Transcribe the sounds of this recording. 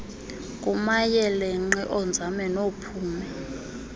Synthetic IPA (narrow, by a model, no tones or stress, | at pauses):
kʼumajɛlɛŋ͡ǁɛʔɔnd͡zʱamɛnopʰuːmɛ